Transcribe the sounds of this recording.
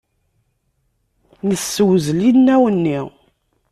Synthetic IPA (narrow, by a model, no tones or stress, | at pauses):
nəsːəwzlinːæwənːi